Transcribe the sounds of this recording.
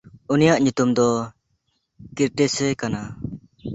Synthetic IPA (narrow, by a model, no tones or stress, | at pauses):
unijaʔɲut̪umd̪ɔ | kiɾʈɛsɛkana